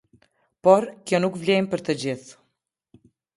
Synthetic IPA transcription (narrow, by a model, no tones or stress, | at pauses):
pɔɾkjɔnukvlɛjmpəɾt̪əd͡ʑiθ